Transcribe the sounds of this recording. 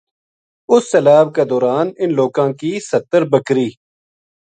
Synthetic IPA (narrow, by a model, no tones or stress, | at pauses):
ʊsːəlaːb̚ked̪ɔːɾaːnɪnloːkãːkisət̪ːəɾbəkɾiː